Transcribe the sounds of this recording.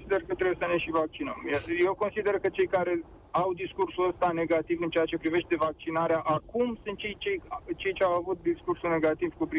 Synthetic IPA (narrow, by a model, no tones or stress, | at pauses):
sid̪erkət̪ɾe̞bujesəne̞ʃivak̚t͡ʃinəmjje̞wko̞nsid̪e̞rkət͡ʃe̞jkaɾe̞ | awd̪iskursuəst̪ane̞ɡat̪ivɨnt͡ʃeat͡ʃe̞pɾive̞ʃt̪e̞vak̚t͡ʃinaɾeaʔakumsunt̪̚t͡ʃe̞jt͡ʃe̞jt͡ʃe̞jt͡ʃeawavut̪̚d̪iskursune̞ɡat̪iv̥kupɾi